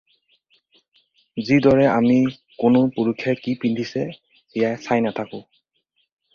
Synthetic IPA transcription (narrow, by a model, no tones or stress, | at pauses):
zidɔɹɛami | kʊnʊpuɹukʰːjɛkipindʱisɛ | ijajsajnat̪ʰakʊ